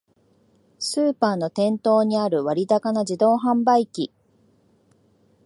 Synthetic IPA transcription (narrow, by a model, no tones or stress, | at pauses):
sɨːpaːno̞t̪ẽ̞nt̪o̞ːɲ̟iaɾɯ̟βaɾʲit̪akanad͡ʑid̪o̞ːɦãmbaikʲi